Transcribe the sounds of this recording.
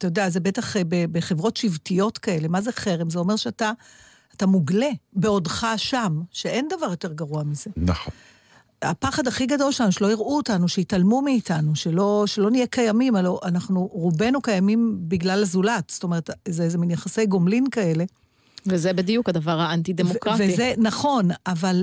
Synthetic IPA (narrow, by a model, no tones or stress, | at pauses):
atajod̪eazebe̞taχbebeχevʁo̞tʃivtijo̞tkae̞le̞mazeχe̞ʁemzeo̞me̞ʁʃeataː | tamuɡle̞be̞o̞dχaʃamʃeʔe̞nd̪avaʁjote̞ʁɡaʁuamize̞naχo | a̰paχadaχiɡado̞lʃelanuʃelo̞iʁʔuotanuʃeitalmumiːtanuʃelo̞ʃelo̞nijekajamimaloʔanaχnuʁube̞nukajamimbiɡlalazulatsto̞me̞ʁetzeezeminjaχase̞jɡomlinkae̞le̞ | vezebed̪ijukad̪avaʁhaant̪idemokʁaveizenaχo̞naval